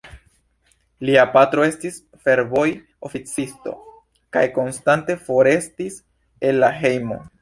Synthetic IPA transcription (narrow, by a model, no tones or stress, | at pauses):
liapatɾo̞e̞stis | fe̞ɾvo̞j | o̞fit͡sisto̞̰ | ka̰jko̞nstante̞fo̞ɾe̞stis | e̞lːaɦe̞jmo̞̰